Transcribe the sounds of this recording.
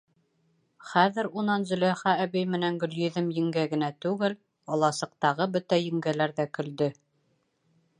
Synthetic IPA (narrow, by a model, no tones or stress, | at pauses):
χæðɘ̆ɾunɑnzɵ̆læχæːβijmɘ̆næŋɡɵ̆ljɵ̆ðɘmjɘ̆ŋɡæɡɘ̆næt̪ʉɡɘl | ɒlˠɑsɤ̆q̚t̪ɑʁɤbɵt̪æjɘ̆ŋɡælæɾðækɵ̆ld̪ɵ